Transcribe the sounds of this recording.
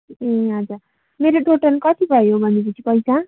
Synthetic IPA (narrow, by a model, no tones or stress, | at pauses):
eɦʌd͡za | meɾoʈoʈʌnkʌt̪ibʱʌjobʱʌniit͡sʰipʌjsa